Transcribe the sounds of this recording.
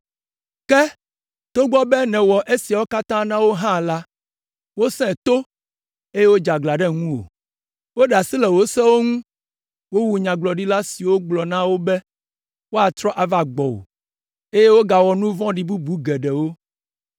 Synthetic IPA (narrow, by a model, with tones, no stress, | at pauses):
kɛ˦ | t̪o˦ɡ͡bɔ˦bɛ˦nɛ̃˨wɔ˨ʔe˦si˨a˨wo˦ka˦t̪ã˦nã˦wo˦ɦã˦la˦ | wo˦sɛ̃˦˨t̪o˦ | e˦je˦wo˦d͡ʒa˨ɡ͡bla˨ɖɛ˦ŋũ˦wo̰˨ | wo˦ɖa˨si˦lɛ˨wo˦sɛ̃˦wo˦ŋũ˦ | wo˦wu˨ɲã˨ɡ͡blɔ˨ɖi˦la˦si˨wo˦ɡ͡blɔ˨nã˦wo˦bɛ˦ | wo˦a˨t̪ɾɔ˦ʔa˨va˨ɡ͡bɔ˨wo̰˨ | e˦je˦wo˦ɡa˨wɔ˨nũ˦vɔ̃˦ɖi˨bu˦bu˨˦ɡɛ˨ɖɛ˨wo˦